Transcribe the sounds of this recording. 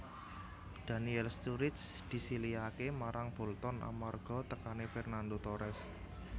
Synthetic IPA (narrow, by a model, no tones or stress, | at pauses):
d̪̥a̤niɛlst̪uɾɪt̪s | d̪̥i̤siliakemaɾʔaŋb̥ɔ̤lt̪ɔnʔa̰marɡ̥ɔ̤t̪əkanefɛrnand̪ot̪oɾɛs